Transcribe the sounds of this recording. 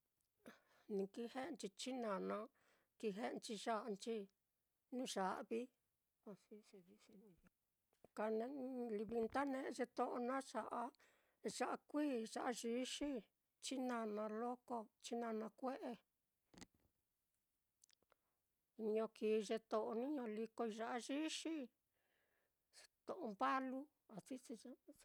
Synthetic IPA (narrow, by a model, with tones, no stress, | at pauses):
nĩ˧ki˦he˦ʔnt͡ʃi˧t͡ʃi˦nã˨nã˧ | ki˧ɦe˦ʔnt͡ʃi˧ʒa˦ʔnt͡ʃi˦ | nũ˦˧ʒa˨ʔβi˦ | a˧si˧˦se˧βi˦si˧nĩ˧ | ka˧nẽ˧li˧βi˧nt̪a˦nẽ˦˧ʒe˧t̪o˦ʔo˧nã˦ʂa˨ʔa˧ | ʒa˧ʔa˧kʷiː˦˨ʂa˧ʔa˧ʒi˧˦ʃi˦ | t͡ʃi˦nã˧nã˧lo˦ko˧t͡ʃi˦nã˧nã˧kʷe˦ʔe˧ | ɲõ˧kiː˨˧ʐe˧t̪õ˧ʔo˧nĩ˦ɲõ˧li˧ko˧i˧ʒa˧ʔa˧ʒi˦ʂi˦˧ | t̪õ˨ʔõ˧mba˦lu˦ | a˨t͡si˦t͡si˧a˦˧